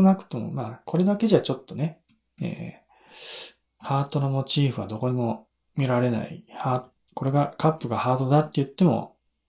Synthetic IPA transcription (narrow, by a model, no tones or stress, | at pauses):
nakɯ̟̥t̪o̞mo̞̰maːkʰo̞ɾe̞d̪ake̞ʑat͡ɕo̞t̪ːo̞ne̞ | ḛː | haːt̪o̞nomot͡ɕiːɸɯ̟βad̪o̞ko̞ɲ̟imo̞ | mʲiɾaɾe̞na̰ḭhaːt | ko̞ɾe̞ɡakapːɯ̟ɡahaːt̪o̞d̪at̪ːe̞jɯ̟t̪ːe̞mo̞̰